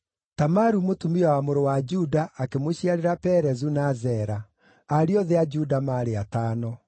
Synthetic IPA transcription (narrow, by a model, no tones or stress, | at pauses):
tamaɾumotumiawamoɾowad͡ʒudaʔːkemoɕiaɾeɾapɛɾɛzunazɛɾa | aɾeɔðead͡ʒudamaɾeataːnɔ